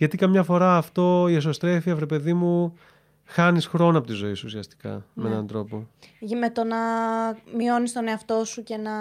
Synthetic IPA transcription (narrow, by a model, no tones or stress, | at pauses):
ʝɐt̪ikɐmɲɐfo̞ɾɐːft̪o̞ieso̞st̪ɾe̞fiɐfɾe̞pe̞ðimu | xɐnisxɾo̞nɐpo̞t̪izo̞isuusiɐst̪i̥kɐ̰meenɐnd̪ɾo̞po̞met̪onɐmio̞nist̪o̞ne̞ɐft̪o̞suce̞nɐ